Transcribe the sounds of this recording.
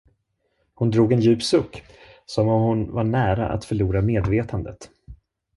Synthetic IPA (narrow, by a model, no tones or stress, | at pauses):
hʊnd̪ɾuːɡɛnjʉ̟ːpsɵkːsɔmɔmhʊnvaɳæːɾa̰ʔa̰t̪fœɭuːɾameːd̪veːt̪ʰand̪ə̰t̪